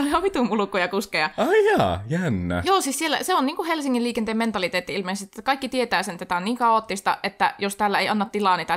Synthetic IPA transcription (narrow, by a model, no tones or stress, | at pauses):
olioʋʋit̪umulukːˑojɑkuskejɑɑijɑːjænːæ̰joːsiːssielːæ̰seonniːŋkuhelsiŋːiliːkent̪eːment̪ɑlit̪eːt̪ːiilmeisest̪ːt̪ːækɑikːit̪iet̪æːsent̪ːæt̪æoniːŋkɑot̪ːist̪ɑ̰ʔet̪ːæ̰jost̪ælːæeˑiɑnːɑt̪ːilɑˑnit̪æ